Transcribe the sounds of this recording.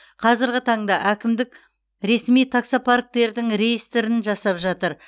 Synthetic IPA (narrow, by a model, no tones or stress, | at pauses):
qʰɑzɪɾɡʲɪt̪ʰɑɴd̪ɑʔækʲɪmd̪ɪk | ɾe̞smijt̪ʰaksopʰaɾk̚t̪e̞ɾd̪ɪŋɾe̞jist̪ɾɪnʒɑsɑpʒɑt̪əɾ